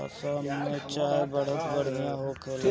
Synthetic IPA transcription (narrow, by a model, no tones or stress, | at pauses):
ɔ̰səmmẽt͡ʃaːɾbəɽ̤əkbəɽ̤nijãɦokʰel